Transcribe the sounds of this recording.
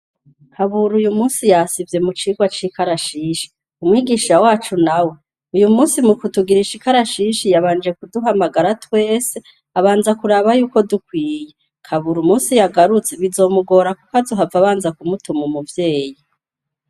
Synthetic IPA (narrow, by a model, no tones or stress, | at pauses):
haβuɾujumuːnsijasivje̞mut͡ʃiːɡwat͡ʃikaɾaʃiʃi̥ | umŋiːɡiːʃawaːt͡ʃunawe | ujumuːnsimukutuɡiɾiʃikaɾaʃiʃijaβaːnd͡ʒe̞kuduɦamaɡaɾatwe̞ːse | aβaːnzakuɾaβajuːko̞dukwiːje̞ | kʰaβuɾumuːsijaɡaɾut͡seβizo̞ːmuɡo̞ɾakukazuɦavaβaːnzakumutumumuvje̞ːji